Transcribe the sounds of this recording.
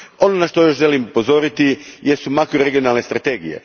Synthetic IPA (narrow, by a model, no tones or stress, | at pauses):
o̞nonaʃt̪o̞jo̞ʃʒe̞limupo̞zo̞ɾit̪ijesumakɾoɾeɡijo̞nalˠne̞st̪ɾat̪e̞ɡijḛ